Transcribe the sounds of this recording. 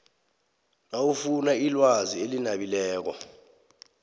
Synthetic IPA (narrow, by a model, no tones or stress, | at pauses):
nawufunailwazielinaɓilɛːk̬ɔ̰